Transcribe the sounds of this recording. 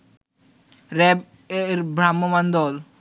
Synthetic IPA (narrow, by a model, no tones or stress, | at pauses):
ɾɛb | ɾbɾamːomand̪ɔl